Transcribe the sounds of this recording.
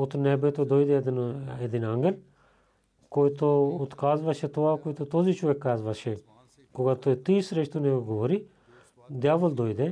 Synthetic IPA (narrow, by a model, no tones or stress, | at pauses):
ʊt̪neːbet̪od̪oːid̪ed̪ned̪inaŋɡəl | koit̪oʊt̪kaːzbɐʃet̪oakoit̪ot̪oːzit͡ʃʰuekːaːzʋɐʃe | koɡat̪ot̪iːsɾeʃt̪uneeɡoːɾi | d̪jaːʋəld̪oːid̪e